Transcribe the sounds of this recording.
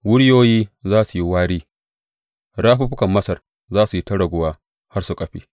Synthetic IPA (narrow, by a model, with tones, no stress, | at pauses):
wʊ˦ɽjoː˦jiː˦zaː˦su˨ji˦waː˦ɽiː˦ | ɽaː˦ɸu˦ɸɪ˦kɐ˨mːɐ˦sɐ˨r | zaː˦su˨ji˦tɐ˦ɽɐ˨ɡʷʊ˨waː˦ | ha˦rsu˨kʼɐ˨ɸḭː˦